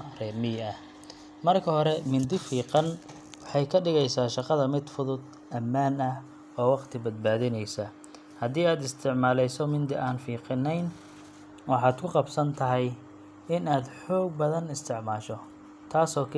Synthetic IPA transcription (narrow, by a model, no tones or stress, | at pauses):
rɛːmɪɐh | mɐrkʰɐhɔɾɛmɪnd̪ɪfiːqɑn | wɑħɑjkʰɐɖɪɣɛjsaːʃɑqɑðɐmɪd̪fʊðʊd̪ | ʔɐmːaːnɐ | ɔːwɑqt̪ʰɪbɐd̪̚baːðɪnɛjsɐ | hɐd̪iːaːd̪ɪst̪ʰɪʕmaːlɛjsɔmɪnd̪ɪʔaːnfiːqɪnːɛjn | wɑħɑːd̪kʰʊqɑbsɐnt̪ʰɐɦɛj | ɪnaːd̪ħɔːɡ̚bɐðɐnɪst̪ʰɪʕmaːʃɔ | t̪ʰaːsɔːkʰ